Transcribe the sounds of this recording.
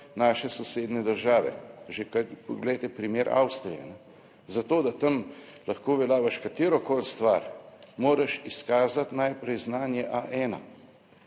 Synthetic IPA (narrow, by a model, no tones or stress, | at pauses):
naːʃɛsɔseːd̪nɛd̪əɾʒaːʋɛ̰ʒekapɔɡlɛjt̪ɛpɾimeːɾʔa̰wst̪ɾijɛ̰nɛ | zat̪oːd̪at̪ɐmlaxkoːʋɛlaːʋaʃkat̪eːɾɔkoːlst̪ʋaɾmoːɾɐʃiskaːzat̪najpɾɛjznaːnjɛʔaʔɛːna̰